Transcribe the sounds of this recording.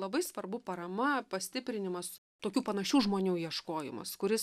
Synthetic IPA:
lˠɐbɐɪsʋɐrbʊpɐɾɐmɐpɐsʲt̪ʲɪpʲɾʲɪnʲɪmɐs | t̪oːkʲuːpɐnɐʃʲuːʒmoːnʲuːjiɛʃkoːjɪ̰mɐ̰skʊɾʲɪs

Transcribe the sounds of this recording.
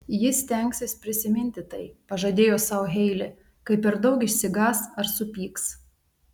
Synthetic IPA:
jɪsʲt̪ʲɛŋʲksʲɪspʲɾʲɪsʲɪmʲɪnʲt̪ʲɪt̪ɐɪpɐʒɐd̪ʲeːjoːsɑʊɦʲɛɪlʲɪ | kɐɪpʲːɛɾd̪ɒʊkɪʃʲsʲɪɡɑːsɐɾsʊpʲiːks

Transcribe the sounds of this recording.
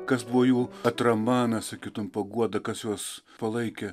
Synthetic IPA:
kɐsbʊʋoːjuːɐt̪ɾɐmbɑːnɐsɐkʲiːt̪ʊmpɐɡuɔd̪ɐkɐsjuɔs | pɐlˠɐɪkʲɛ

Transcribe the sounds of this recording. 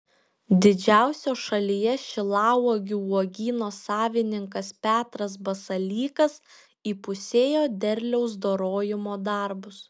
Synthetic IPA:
d̪ʲɪd͡ʒʲæˑʊsʲoːʃɐlʲijɛʃʲɪlˠɑːʋoːɡʲɪuɔɡʲiːnoːsɑːʋʲɪnʲɪŋkɐspʲæːt̪ɾɐs̬bɐsɐlʲiːkɐs | iːpʊsʲeːjoːd̪ʲɛɾʲlʲɛʊsd̪oːɾoːjɪmoːd̪ɐˑɾbʊs

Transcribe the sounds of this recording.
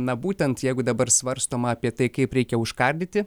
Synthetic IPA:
nɐbuːt̪ʲɛnt̪jɛɪɡʊd̪ɐbɐɾsʋɐɾst̪oːmɐːpʲiɛt̪ɐɪkɐɪpɾʲɛɪkʲɛʊʃkɐɾʲd̪ʲɪt̪ʲɪ

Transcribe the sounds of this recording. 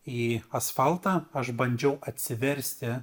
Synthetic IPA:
iːɐsfɐlˠt̪ɑːɐʃbɐnʲd͡ʒʲɛʊʔɐt̪ʲsʲɪʋʲɛɾʲsʲt̪ʲɪ

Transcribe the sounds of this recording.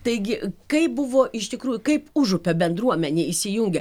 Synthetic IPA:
t̪ɐɪɡʲɪkɐɪp̚bʊʋoːʔɪʃt̪ʲɪkɾuːjʊkɐɪpʊʒʊpʲɛbʲɛnd̪ɾuɔmʲɛnʲeːisʲɪjʊŋʲɡʲɛ

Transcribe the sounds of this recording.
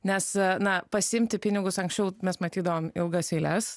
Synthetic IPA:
nʲɛsnɐpɐsʲɪɪmʲt̪ʲɪpʲɪnʲɪɡʊsɐŋksʲt͡ʃʲɛʊmʲɛsmɐt̪ʲiːd̪ɐʋoːmɪlˠɡɐsɛɪlʲɛs

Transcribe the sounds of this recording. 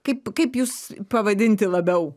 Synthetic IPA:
kɐɪpkɐɪpjuːspɐʋɐd̪ʲɪnʲt̪ʲɪlˠɐbʲɛʊ

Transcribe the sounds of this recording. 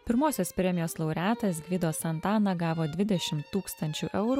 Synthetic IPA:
pʲɪɾmoːsʲoːspʲɾʲɛmʲɪjoːslˠɒʊɾʲæːt̪ɐsɡʲʋʲɪd̪oːsɐnt̪ɑːnɐɡɑːʋoːd̪ʲʋʲɪd̪ʲɛʃʲɪmt̪ːuːkst̪ɐnʲt͡ʃʲuʔɛʊɾu

